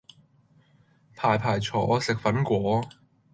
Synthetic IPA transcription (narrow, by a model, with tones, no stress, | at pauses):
pʰaː˨˩jpʰaː˨˩jt͡sʰɔː˨˥sɪ˨k̚fɐ˨˥nkʷɔː˨˥